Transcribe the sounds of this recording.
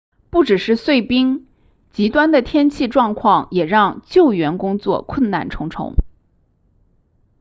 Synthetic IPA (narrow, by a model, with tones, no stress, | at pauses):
pu˥˩ʈ͡ʂɻ̩˨˩ʂɻ̩˥˧swe˥˩ɪpi˥ŋ | t͡ɕi˧˥t̪wa˥nd̪ə˨t̪ʰjɛ˥nt͡ɕʰi˥˧ʈ͡ʂwɑ˥˧ŋkʰwɑ˥˩ŋjɛ˨˩ɻɑ˥˧ŋt͡ɕjo˥˩ʊɥɛ˧˥nkʊ˥ŋt͡swɔ̰˥˧kʰwə˥˧nna̰˥˩nʈ͡ʂʰʊ˧˥ŋʈ͡ʂʰʊ̰˧˥ŋ